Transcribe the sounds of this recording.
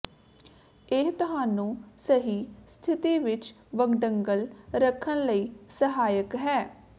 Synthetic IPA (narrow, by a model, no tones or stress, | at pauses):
ɪɦt̪ʊɦaːnũːsəɦiːst̪ʰɪt̪iːʋɪt͡ʃ | ʋəɡɖəŋɡəlɾəkʰːənləiːsəɦaːjəkɦɛː